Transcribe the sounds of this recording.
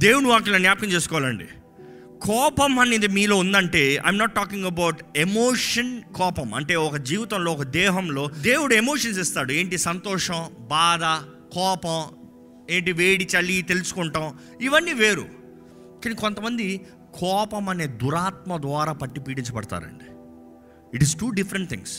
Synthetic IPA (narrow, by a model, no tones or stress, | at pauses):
d̪e̞ːwuɽuʋaːk̬ilɐːnjaːp̚kɐmt͡ʃeːsu̥kɔːʋaːlɐɳɖḭ | kɔːpɐmɐniːd̪imiːlo̞ːund̪ɐɳʈe̞ːɐ̰jmnɐːʈːaːkiŋɡɐbɐwʈemoːʂɐnkɔːpɐmɐ̰ɳʈe̞ːɔkɐd͡ʒiːʋit̪ɐmloːɔkɐd̪ɛːɦɐmlo̞ːd̪e̞ːwuɽue̞mo̞ːʂɐns̬ist̪aːɽue̞ːɳʈisɐnt̪ɔːʂɐ̃mbaːd̪ɐ | kɔːpɐm | e̞ːɳʈiʋeːɽit͡ʃɐlit̪e̞lusu̥kuɳʈɐm | iʋɐnːiːʋe̞ːɾṵ | kaːnikont̪ɐmɐnd̪i | kʰɔːpɐmɐne̞ːd̪uɾaːt̪̚mɐd̪ʋaːɾaːpɐʈːipiːɽiɲt͡ʃɐpɐɽɐt̪a̰ːɾɐ̰ɳɖi | iʈizʈuːɖifɾɐɳʈ̚t̪ʰḭŋs